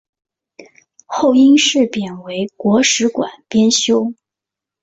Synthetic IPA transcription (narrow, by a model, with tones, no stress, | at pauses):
xo˥˩ʊi˥nʂɻ̩˥˩pjɛ˨˩nwe˧˥ɪkwɔ˧˥ʂɻ̩˧˥kwa̰˨˩npjɛ˥nɕjo˥ʊ